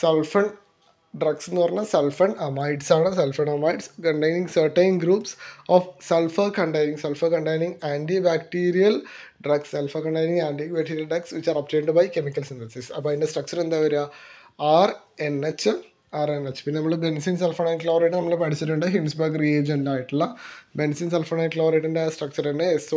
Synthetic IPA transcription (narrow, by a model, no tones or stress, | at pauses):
selfɐɳ | ɖrɐɡsenːuʋɐrɐnːɐselfɐɳɐmajɖsaːɳɨselfɐɳɐmɐjɖskɐɳʈejniŋɡsɐːʈːejnɡɾuːpsoːfselfɐkɐɳʈɐjniŋɡselfɐkɐɳʈejniŋaːɳɖibaːkʈiːɾijɐlɖrɐɡsːelfɐkɐɳɖɐjnĩŋɡaːɳɖibaːkʈiːɾjɐlɖrɐɡsʋit͡ɕːaːɾɐp̚ʈeːɳɖɨbɐjkemikːɐlsint̪ɐnsisɐ̰pːɐːiɳɖesʈrɐk̚t͡ɕɐɾend̪aːʋɐɾuja | ar | enet͡ɕː | aːɾenet͡ɕːpinːenɐmːɐɭbensiːnselfɐɳɐjnʈkloːɾeʈːɨnɐmːɐɭepɐʈʰit͡ɕːiʈ̬ːuɳɖɨɦimsbɐɡrieːd͡ʑenɖaːjiʈːuɭːɐbensiːnselfɐɳɐjnkloʋɾeʈːinɖesʈrɐk̚t͡ɕɐɾenːeeso